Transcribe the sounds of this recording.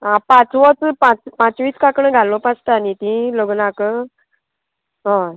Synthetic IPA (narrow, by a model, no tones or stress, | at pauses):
ɦãpãt͡sʋət͡spãt͡spãt͡sʋiːt͡skakɳə̃ɡʱalõpast̪əanit̪ĩloɡnakə | ɦɔ̃